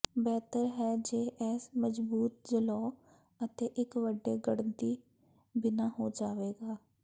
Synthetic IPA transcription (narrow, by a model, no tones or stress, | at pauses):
bɛːt̪əɾɦɛːd͡ʒeːʔɛːsməd͡ʒbuːt̪̚d͡ʒəlɔː | ət̪eːʔɪkʋəɖːeːɡəɽənt̪iː | bɪnaːɦoːd͡ʒaːʋeːɡaː